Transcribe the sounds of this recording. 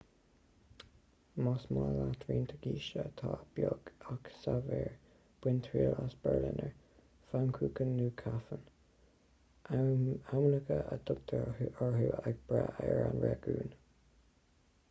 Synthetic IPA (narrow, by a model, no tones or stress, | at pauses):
mɔsmalat̪ʰɾiːnt̪ʰəɡiːʃət̪ʰɑːb̥joɡaksavɛːɹ | b̥wɪnt̪ʰɹiːlasb̥ɛɹlɪnəɹ | fankʰuːkənːuːkʰafən | amləkəʔəd̪ʊɡ̚d̪əəɹɦuaɡ̚b̥ɹaʔɛɹanɹɛɡuːn